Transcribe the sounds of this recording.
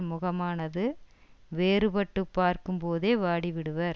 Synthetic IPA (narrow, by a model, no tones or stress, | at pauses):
mʊɣɐmaːnɐðɯ | ʋeːɾɯbɐʈːɯpːaːɾkɯmpoːðeːʋaːɽiʋɪɽɯʋɐɾ